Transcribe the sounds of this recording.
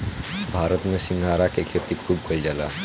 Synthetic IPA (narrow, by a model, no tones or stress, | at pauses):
bʱaːɾət̪mẽsɪ̃ŋɡʱaːɾakekʰet̪ikʰuːb̚kʰold͡ʒala̰